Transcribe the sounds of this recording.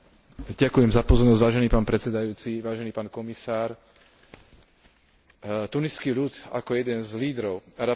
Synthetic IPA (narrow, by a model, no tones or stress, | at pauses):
ɟakujɛmzapɔzɔɾnɔzɟʋaːʒɛniːpaːnpɾɛt͡sɛd̪ajuːt͡siʋaːʒɛniːpaːnkɔmisaːɾ | t̪uniskiʎut̪a̰kɔjɛd̪ɛnzliːd̪ɾɔʊaɾa